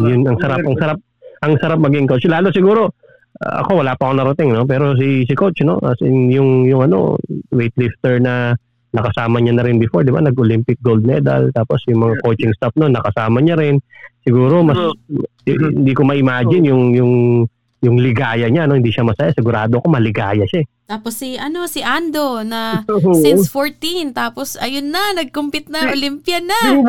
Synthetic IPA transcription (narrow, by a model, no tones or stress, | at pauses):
jʊnɐŋsɐɾapɐŋsɐɾap̚ | ʔɐŋsɐɾap̚mɐɡiŋkot͡ʃlaːlo̞sɪɡuːɾo̞ | ʔʔɐ̰ko̞wɐlaːpɐʔɐkoŋnɐɾɐt̪ɪŋno̞p̬ɛːɾo̞s̬is̬ɪkot͡ʃno̞̰ʔɐ̰sɪnjʊŋjʊŋɐno̞̰wejt̪lift̪ɛɹnɐ | nɐkɐsaːmɐɲanɐɾɪnbɪfo̞ɹd̪ɪba̰nɐɡʔolimpɪk̚ɡowld̪̚mɛ̰d̪ɐ̰lt̪aːpo̞sjʊŋmɐŋako̞t͡ʃɪŋst̪af̚nonːɐkɐsaːmɐɲaɾɪnsɪɡuːɾo̞mɐs | ɪ̰nd̪ikomɐʔɪmaːd͡ʒɪnjʊŋjʊŋ | jʊŋlɪɡaːjɐɲanoɪnd̪iʃamɐsɐjasɪɡʊɾaːd̪oɐko̞mɐlɪɡaːjɐʃaɛt̪aːposːiʔɐno̞sɪʔand̪o̞nɐsɪnfoɹt̪int̪aːposɐjonːɐnɐɡ̚kʊmpɪt̪̚nɐʔolimpjɐnɐ